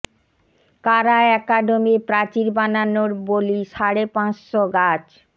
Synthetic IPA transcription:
kaɾaɛkaɖomepɾat͡ɕiɾbananoɾboliʃaɾepãsʃoɡat͡ɕ

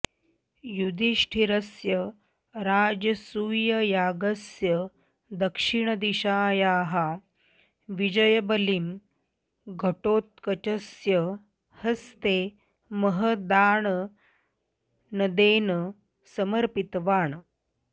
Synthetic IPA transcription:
jud̪iʂʈʰiɾɐsjə | ɾaːd͡ʑəsuːjɐjaːɡɐsjə | d̪əkʂiɳəd̪iɕaːjaːɦa | ʋid͡ʒəjəbəlim | ɡʱəʈoːt̪̚kɐt͡ʃəsjə | hɐst̪e | məɦəd̪aːɳ | nəd̪eːn | səməɾpit̪ʋaːɳ

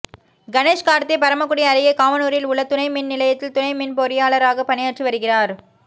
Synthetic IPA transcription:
ɡɐneːʂkaːɾɐt̪ːepɐɾɐmɐkːʊɽɪjɐːɾɪɣɐkaːʋɐnuːɾɪlʊɭːɐt̪ːʊnɐɪmɪnnɪlɐjɐt̪ːɪlt̪ʊnɐɪmɪnpɔɾɪjaːɭɐɾaːɣɐpɐnɪjaːʈrɯʋɐɾɯɣɪraːɾ

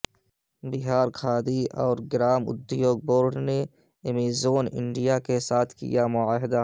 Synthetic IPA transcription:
bɪɦaːɾkʰaːd̪iɔːɾɡɾaːmʊ̰d̪joːɡ̚boːɾɖne | emizoːnɪ̰ɳɖijakesaːt̪ʰkḭjamʊaːɦɪd̪a

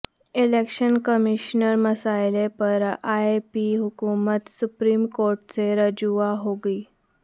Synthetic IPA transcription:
ilekɕənkəmiɕnəɾməsajlepəɾaepiɦukumət̪supɾiːmkoɾʈ̚t͡seɾəd͡ʑuaɦoɡiː

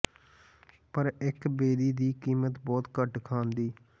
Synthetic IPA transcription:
pəɾɪkbeːd̪iːd̪iːkiːmət̪bɔːt̪kəʈkʰãːnd̪iː

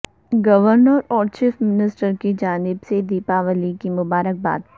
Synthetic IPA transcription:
ɡɐʋəɾnəɾɔːɾt͡ʃiːfmɪnɪsʈəɾkid͡ʒaːnɪbsed̪iːpaʋəlikimʊbaːɾək̚ba̰ːd̪

